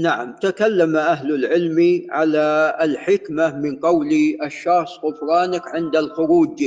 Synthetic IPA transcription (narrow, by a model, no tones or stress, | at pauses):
naʕamt̪akalːamaʔaɦlalʕɪlmiʕalaɪlħɪkmamɪnqɑwliʔaʃːɑxsˤɣʊfɾˤɑːnakʕɪnd̪alxʊɾuːd͡ʒ